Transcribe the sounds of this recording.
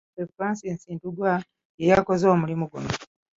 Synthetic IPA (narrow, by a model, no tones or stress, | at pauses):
evaːnsie̞ːnsiːntuɡwa | jejako̞zo̞ːmulimuɡṵno